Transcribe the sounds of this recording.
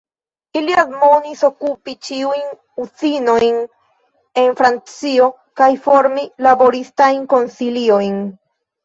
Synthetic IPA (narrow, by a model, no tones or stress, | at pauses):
iliadmoniso̞kupit͡ʃiujn | ut͡sino̞jn | e̞nfɾant͡sio̞ | kajfo̞ɾmilabo̞ɾistajnko̞nsilio̞jn